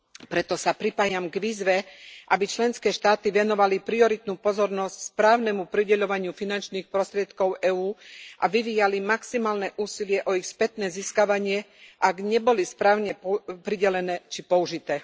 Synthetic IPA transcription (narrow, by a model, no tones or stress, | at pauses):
pɾɛt̪ɔsapɾipaːjamɡʋiːzʋɛʔabit͡ʃlɛnskɛːʃt̪aːt̪iʋɛnɔʋalipɾiɔɾit̪nuːpɔzɔɾnɔscspɾaːʊnɛmupɾiɟɛʎɔʋaɲɪufinant͡ʃniːxpɾɔst̪ɾɪɛt̪kɔʊʔɛːuːʔaʋiʋiːjalimaksimaːlnɛʔuːsilɪɛʔɔixspɛt̪nɛːziːskaʋaɲɪɛ | ʔaɡɲɛbɔlispɾaːʊɲɛppɾiɟɛlɛnɛːt͡ʃipɔuʒit̪ɛː